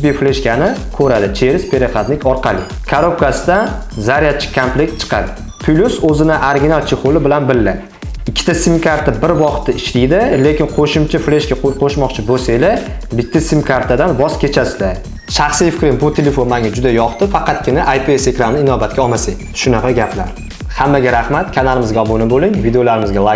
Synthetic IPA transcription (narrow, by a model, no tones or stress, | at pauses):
bifleʃkʲanɪkʰɵɾad̪ɪt͡ʃʰe̞ɾɪspʰeɾeχat̪nɪkʲʰɒɾqʰɑlɪ | kʰaɾop̚kasɪd̪an | zaɾijat̪̚t͡ʃʰɪ̥kʰamplekʲt̪t͡ʃʰɨ̥qʰɑ̰d̪ɪ | pʰʊlʲusɵzɪnɪʔaɾɡʲɪnalˠt͡ʃʰeχolɪbɪlanbɪlːɪ | ɪkʲʰːɪ̥t̪ʰasimkʰaɾt̪ʰabɪɾvɒχt̪ːaɪʃlijd̪ɪle̞kʲɪnqʰoʃɪmt͡ʃʰafleʃkʲaqʰoʃmɒqt͡ʃʰɪbosajlabɪt̪ʰːasimkʰaɾt̪ʰad̪anvɒz̥kʲʰe̞t͡ʃʰasɪla | ʃaχsijfɪkʲɾɪŋbʊt̪ʰele̞fo̞nmaŋʲad͡ʒʊd̪ajɒχt̪ɪfɑqɑt̪kʲɪnaʔajpʰiesekɾamnɪɪnɒbat̪̚kʲaɒmasɪŋ | ʃʊnɑqʰɑɡʲapʰla̰ɾ | hamːaɡʲaɾahmat̪kʲʰanalɪmɪzɡʲaɒbonɪbolɪŋvid̪eolaɾɪmɪzɡʲalˠa